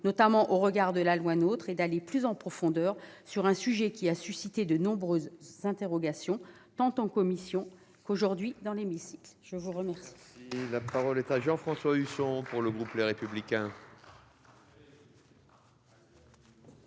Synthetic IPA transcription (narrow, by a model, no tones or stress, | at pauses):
nɔt̪amɑ̃ʔoʁəɡaʁd̪əlalwanot̪χed̪aleplyzɑ̃pχɔfɔ̃d̪œːʁsyʁɛ̃syʒɛkʲiasysit̪ed̪ənɔ̃bʁøzːɛ̃t̪eʁɔɡasjɔ̃ | t̪ɑ̃t̪ɑ̃kɔmisjɔ̃ | koʒuʁd̪ɥid̪ɑ̃lemisi̥klʒ̥əvuʁəmɛʁsi̥lapaʁɔlɛt̪aʒɑ̃fχɑ̃swaysɔ̃puʁləɡʁupleʁepyblikʲɛ̃